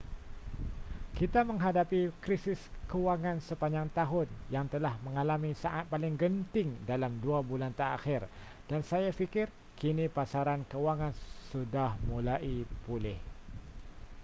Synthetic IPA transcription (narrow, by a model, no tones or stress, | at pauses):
kit̪amə̃ŋɦadapikɾisɪskəwaŋãnsəpaɲd͡ʒaŋt̪aɦʊn̚jaŋt̪əlahmə̃ŋalamisaʔat̪̚palɪŋɡənt̪ɪŋdalamduabulant̪əa̰xɪr | d̥ansajafikɪr | kinipasaɾankəwaŋansudahmulaʔipulɪh